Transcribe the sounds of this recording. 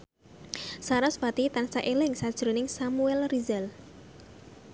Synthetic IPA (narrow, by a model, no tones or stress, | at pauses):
saɾɔsbat̪it̪ansaʔelɪŋsad̥ʒ̥ɾonɪŋsamuɛlrizɛl